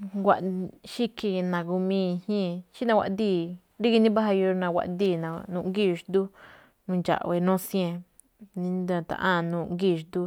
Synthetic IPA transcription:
ɡʷa˨ʔʃi˦ki˧nã˨ɡu˧mĩː˦˧hẽ˦ʃi˦nã˧wʷa̰˧ʔd̪iː˦˨ | ɾi˦ki˧nĩ˦ba˦ɦa˧ju˧ɾnã˧wa̰˧ʔd̪iː˦˧˨nã˨nũ˧ŋɡi˦˧ʃd̪u˦ | nũ˧nd͡ʒa̰˨ʔwe˧nõ˦sj̃ẽ˧ | nĩ˧d̪ã˧t̪a̰˨ʔã˦˨˧nũː˧ŋɡi˦˨˧ʃd̪u˦

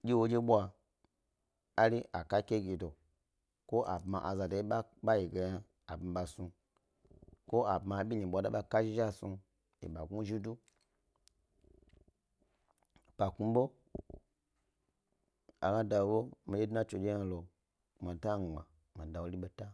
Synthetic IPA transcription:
d͡ʒʲi˦wo˧d͡ʒe˦ɓʷa˧ | a˦ɾi˦ʔa˨ka˦kʲe˦ɡi˨do˨ | ko˦ʔa̰˨bma˨ʔa˨za˧do˨i˦ɓa˦ɓa˦ji˨ɡe˧ja˧ | a˨bma˨ɓa˧˨su˧ | ko˦a˨bma˧˨ɓʲi˦ɲi˨ɓʷa˧˨da˦ɓa˧˨ka˦ʒi˦ʒa˦˨su˧ | ḛ˨ɓa˨ɡu˦ʒi˦du˦˨ | pa˨ku˦ɓo˦ | a̰˨ɡã˦da˧wo˨˦ɓo˦mi˨d͡ʒe˦dna˦t͡ʃo˨d͡ʒe˦ja˧lo˨ | ma˨ta˦˨ŋ͡ma˨ | ma˨da˨wo˨˦li˦ɓo˦ta˦

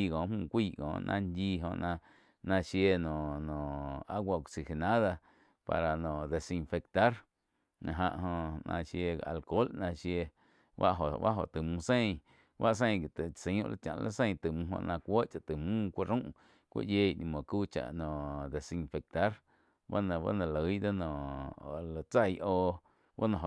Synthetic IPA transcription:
i˧˨kɔ̃ː˨˦mũː˧˨kʷiː˦˧˨ʔkɔ̰̃ː˨nʔã˧ndiː˧ɦõ̰˧ʔnã˧ | nã˧ʃje˧nɔ̃˨nɔ̃˨a˦ɡʷa˧˨ksi˨he˨nã˦ða˧ | pa̰˨ɾa˨nɔ̃˨d̪e˨si˧nfe˧kt̪a˦ɾ | na˧ɦã̰˧˨ʔɦõ˧ʔnã̰˧ʃje˧a̰˨lko˦lnã˧ʃje˧ | wa̰˦ʔɦo˨wa˦ɦo˨t̪ɨ˨mũ˧sẽ˦j̃ | wa˦ʔs̬ẽ˦˧j̃ɡi˨t̪ɨ˨sĩ˨˦ṵ̃˦˧ʔlʔa̰˦t͡ʃã̰˨ʔlʔa̰˦sẽ˦˧j̃t̪ɨ˨mũː˧ɦõ̰˧ʔnã˧kʷo˦ʔt͡ʃa˨t̪ɨ˨mũː˦kʷa˦ɾũ˦ʔ | kʷḭ˦ʔjeː˧˨ʔnĩ˧mõ˨kuː˦t͡ʃa̰˨ʔnɔ̃˨ʔd̪e˨sĩ˧nfe˨k̚t̪a˦ɾ | ba˦nã˧ba̰˦nã˧lə˨˦jd̪o˦nɔ̃˨ʔo˨la˨t͡sa˧˨jʔoː˧ | ba̰˦nã˧˨ɦo˨

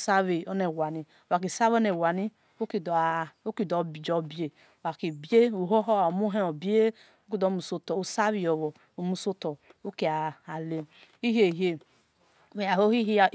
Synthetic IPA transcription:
sa˦βi˨ɔ˦ne˨wa˨ni˨wa˨k̬i˨sa˦βɔ˦ne˨wa˨ni˦ | o˦ki˨do˦ki˦˨dɔ˨bd͡ʒɔ˨bi˨e˨ | wa˨ki˨bi˦e˦u˨ɦo˦ɦɔ˦a˨mu˦ɦe˦o˨bi˦e˦ | o˦ki˦˨dɔ˨˦mu˨so˦tɔ˨u˨sa˦βi˦˨ɔ˨βɔ˨ | o˨mu˨so˦tɔ˨u˦ki˨aː˨le˨i˦ɦi˦e˨ɦe˨ | e˨a˨ho˦hi˦ɦi˦˨

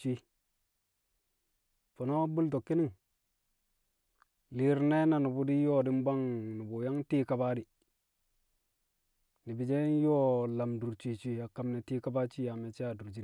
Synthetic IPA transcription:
t͡ʃi˦ | fo˨no˦bu˦lto˨kːi˦ni˦ŋ | li˨ɾne˦na˨ni˨bu˨di˦jo˦di˦mba˦ŋni˨bu˨ja˦ŋti˦ka˨ba˦di˨ | ni˨bi˨d͡ʒe˦jo˦la˨mdu˨ɾt͡ʃi˨t͡ʃi˦a˨ka˨mne˨ti˦ka˦ba˦t͡ʃi˦ja˨me˨t͡ʃi˦a˨du˨ɾd͡ʒi˦

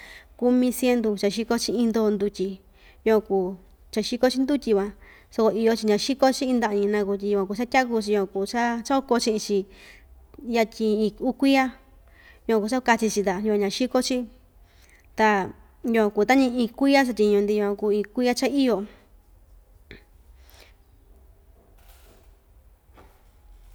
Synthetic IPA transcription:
ku˧mĩ˧sje˧nd̪u˧t͡ʃa˧ʃi˧ko˦t͡ʃĩ˧ĩ˧nd̪o˦˧nd̪u˧tʲi˧ | jo˧ã˧kuː˨ | t͡ʃa˧ʃi˦ko˦t͡ʃi˦nd̪u˦tʲi˧βã˧ | so˧ko˧i˧jo˧t͡ʃi˧ɲã˧ʃi˦ko˦t͡ʃĩ˦ĩ˧nd̪a˧ʔɲĩ˧nã˧ku˧˨t̬ʲi˧ju˧ã˧ku˧˨t͡ʃa˦tʲa˦ku˧t͡ʃi˧jo˧ã˧ku˨t͡ʃa˦t͡ʃko˧t͡ʃĩ˧ʔĩ˧t͡ʃi˧ | ja˧tʲĩ˧ĩ˧u˧kʷi˦a˦ | jã˧ku˨˧t͡ʃa˦˧ka˧t͡ʃi˧t͡ʃi˧t̪a˨ju˧ã˧ɲã˧ʃi˦ko˦t͡ʃi˦ | t̪a˧ | ju˧kʷã˧kuː˧˨˦t̪a˦ɲĩ˧ĩ˧kʷi˦a˦t͡ʃ̬a˧tʲi˧ɲũ˧nd̪i˧ju˧kʷã˧ku˧ĩ˧kʷi˦a˦t͡ʃa˦i˦jo˧

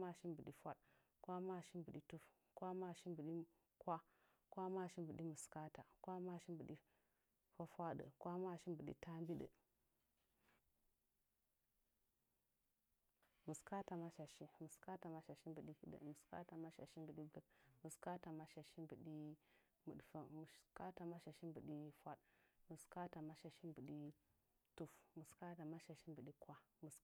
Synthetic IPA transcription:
ma˦˨ʃi˦mbə˨ɗi˨fʷa˦ɗ | kwa˦ma˦˨ʃi˦mbə˨ɗi˦tu˦f | kwa˦ma˦˨ʃi˦mbə˨ɗi˦ | kʷa˦ | kʷa˦ma˦˨ʃi˦mbə˨ɗi˦mə˨ska˦ta˨kwa˦ma˦˨ʃi˦mbə˨ɗi˦ | fa˦fʷa˦ɗə̰˨kwa˦ma˦˨ʃi˦bə˨ɗḭ˦ta˦mbi˦ɗə̰˨ | mə˨ska˦ta˨ma˦ʃa˨ʃi˦mə˨ska˦ta˨ma˦ʃa˨ʃi˦mbə˨ɗi˦hi˦ɗə̰˨mu˨ska̰˦ta˨ma˦ʃa̰˨ʃi˦mbə˨ɗi˦ɡə˦kmə˨ska˦ta˨ma˦ʃa˨ʃi˦mbə˨ɗi˦ | mṵ˨ɗfə˦mu˨ka˦ta˨ma˦ʃa˨ʃi˦mbə˨ɗi˦fʷa˦ɗmə˨ska˦ta˨ma˦ʃa˨ʃi˦mbə˨ɗi˦ | tu˦fmə˨ska˦ta˨ma˦ʃa˨ʃi˦mbə˨ɗi˦kwa˦mə˨s

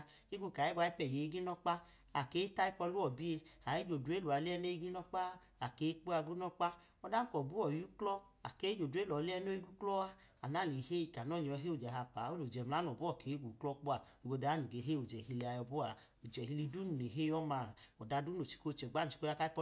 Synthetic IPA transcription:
i˦ɡʷu˧˨ka˨jɛ˦ɡʷa˧˦i˦pɛ˨je˨i˦ɡi˦nɔ˦k͡pa˦ | a˨ke˨˦ta˦i˦pɔ˧˦lu˦ɔ˨bi˦e˧a˨e˦d͡ʒo˨du˨e˦lu˨a˨li˦ɛ˧˦ne˦i˦ɡi˦nɔ˦k͡pa˦ | a˨ke˨˦k͡pu˦a˧ɡu˦nɔ˦k͡pa˦ | ɔ˧da˦kɔ˨bu˦ɔ˨ju˦klɔ˦ | a˨ke˦d͡ʒo˨du˨˦e˦lɔ˨li˦ɛ˦no˦i˦ɡu˦klɔ˦a˦a˨na˨˦˨le˨he˦i˧˨ka˨nɔ˨˦˨ɲ˨ɔ˨˧ɦe˦o˨d͡ʒɛ˨ɦa˧pa˨˦o˦lo˨d͡ʒɛ˨mla˨˦n˨ɔ˨bu˦ɔ˨kʰe˨˦ɡu˨˦klɔ˦k͡pu˦a˨ | i˨ɡ͡bo˧da˨˦nu˨ɡe˧ɦe˦u˨d͡ʒɛ˨hi˧li˧a˧jɔ˧bu˦a˨ | u˨d͡ʒɛ˨hi˧li˧du˦nu˨ne˨ɦe˦jɔ˦ma˧˨ɔ˨da˧du˦no˨t͡ʃi̥˨ko˦˧˨t͡ʃɛ˨ɡ͡ba˦nu˨t͡ʃi̥˨˦ko˦a˦ka˦i˦pɔ˧

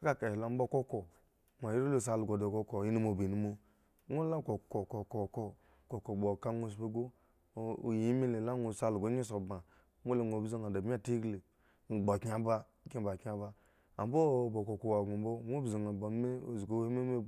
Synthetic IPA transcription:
a˦ka˦ka˨i˨la˨˦m̩˦bo˦ko˦ko˨ | mʷ˨a˨ji˦ɾo˦lo˦s̬a˨lu˨ɡo˨do˨ko˦ko˨ji˦ni˦mo˨bi˨ni˦mo˦ | ŋʷo˦la˦ko˨ko˨ko˨ko˨ko˦ | ko˨ko˨bo˨ka˦ŋʷo˦s̬pe˦ɡo̰˦˨ | ji˨˦i˦me˦le˨la˦ŋo˨sa˦lu˨ɡo˦ɲi˦so˨ba˨˦ | mo˦le˨ŋʷo˨bzi˦ŋa˨da˨ba˦˨ti˦ɡli˨ | n̩˨ɡ͡bo˨kɲa˨ba˦˨˦ki˦ba˨ka˨ba˦ | a˨m˦bo˦˨bo˨ko˨ko˨wa˨ɡu˨m˦bo˦ŋʷo˦bzi˨ŋa˨ba˨˦me˦o˨zko˨˦i˦me˦me˦

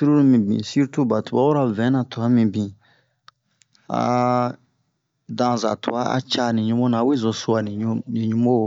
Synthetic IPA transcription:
si˦ɾu˦nĩ˦mĩ˨bḭ̃˨si˦ɾtu˦ba˨tu˨ba˦wo˦ɾa˨vɛ̃˨˦nã˨tu˨a˦mĩ˨bĩ˨ | a̰˨ | dã˧za̰˨tu˨a˦a̰˦t͡ʃa˦nĩ˨ɲũ˦mo˦nã˨wi˦zo˨su˦a˨nĩ˨˦nĩ˨ɲũ˦mo˦˨

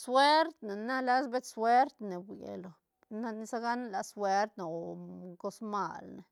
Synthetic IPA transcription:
swe˦ɾt̪ne˨na˦la˦sbe˦t̪swe˦ɾt̪ne˨bʷḛ˨lo˨ | na˧ni˧˦sa˦ɡa˦n˦la˨swe˦ɾt̪no˨ko˧˦sma̰˦˨lne˨

